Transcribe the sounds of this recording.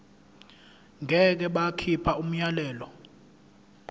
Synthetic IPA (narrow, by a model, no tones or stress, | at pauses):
ŋʱɛk̬ɛɓakʰipʰaum̩ɲalɛːlɔ